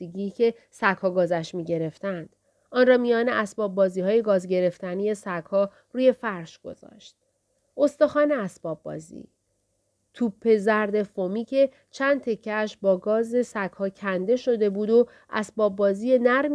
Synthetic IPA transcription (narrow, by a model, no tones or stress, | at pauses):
iɟicʰe̞ | sækhɒːɡɒːzæʃmiːɟe̞ɾe̞ft̪ænd̪̥ | ɒːnrɒːmijɒːneʔæsbɒːbːɒːziːɦɒːje̞ɡɒːzɟe̞ɾe̞ft̪ænije̞sækhɒː | ɾuːje̞fæɾʃɡ̥o̞̰zɒ̰ːʃt̪̚ | o̞st̪ɒxɒːneæsb̥ɒːb̚ːɒ̰ːzḭː | t̪ʰuːpʰːe̞zæɾd̪e̞fomiːcʰe̞ | t͡ʃʰænd̪̚t̪ʰe̞cʰːæʃbɒːɡɒːze̞sækhɒːcʰænd̪e̞ʃo̞d̪e̞buːd̪o | ʔæ̰sbɒːbːɒːziːje̞næɾm